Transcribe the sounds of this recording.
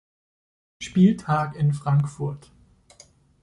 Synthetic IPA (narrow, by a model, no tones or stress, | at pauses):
ʃpiːltʰaːkɪnfʁ̥aŋkfʊɐt